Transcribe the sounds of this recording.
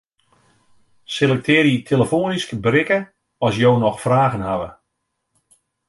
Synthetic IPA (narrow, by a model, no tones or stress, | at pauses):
selɛk̚tʰɪːɾitʰeləfoːniskbərɪkə | ɔsjoːnɔxfraːɣənhaʋə̰